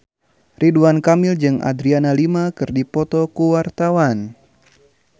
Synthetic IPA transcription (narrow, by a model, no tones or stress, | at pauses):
riduankamild͡ʒɨŋa̰d̪ɾianalimakɨrdipɔt̪ɔkuwart̪awan